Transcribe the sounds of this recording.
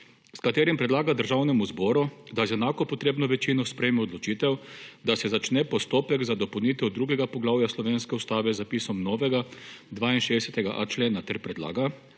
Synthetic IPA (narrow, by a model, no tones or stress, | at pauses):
skat̪eːɾimpɾɛd̪laːɡad̪əɾʒawnɛmuzbɔːɾud̪ajzɛnaːkɔpɔt̪ɾeːbnɔʋɛt͡ʃinɔspɾɛjmɛɔd̪lɔt͡ʃiːt̪ɛwd̪asɛzat͡ʃnɛpɔst̪oːpɛɡzad̪ɔpownit̪ɛwd̪ɾuːɡɛɡapɔɡlaːwjaslɔʋeːnskɛust̪aːʋɛzapiːsɔmnɔːʋɛɡad̪ʋaːinʃeːɛsɛt̪ɛɡa̰ʔa̰t͡ʃleːnat̪ɛɾpɾɛd̪la̰ːɡa